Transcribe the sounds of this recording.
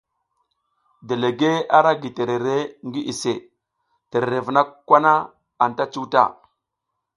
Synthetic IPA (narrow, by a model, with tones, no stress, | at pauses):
de˨le˨ɡe˦a˦ɾa˦ɡi˨te˨ɾe˨ɾe˦ŋɡi˦ʔi˨se˨ | te˨ɾe˨ɾe˨vna˦kkːʷa˦na˦ | a˨nta˦t͡ʃu˦wta̰˦˨